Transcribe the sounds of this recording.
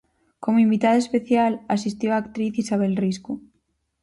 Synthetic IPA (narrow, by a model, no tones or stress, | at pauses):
komoimbit̪aðoespeθjalasist̪owaːkt̪ɾiθisaβ̞elrisku